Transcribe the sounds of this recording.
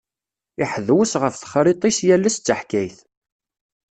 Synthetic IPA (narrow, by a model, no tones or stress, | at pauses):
iħəðwəsʁəfθə̥χɾit̪ˤisjælːæst͡sːəħkæjθ